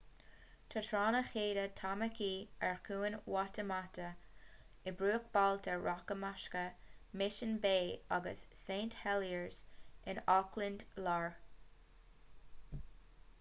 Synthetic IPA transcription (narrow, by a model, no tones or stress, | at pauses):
t̪ʰətʰɹɑːnəxeːdətʰaməkʰiːɛɹkʰuːənwɑtəmat̪ə | ɪbɹuːkb̥alt̪ʰəɹʔɑkəmaʃkəmɪʃənbeːaɡə̰sːẽːnthɛliəɹz̥ɪnɔklɪndlaɹ